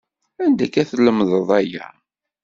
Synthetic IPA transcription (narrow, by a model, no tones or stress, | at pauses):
ænd̪ækːæθləmðˤəðˤæjæ̰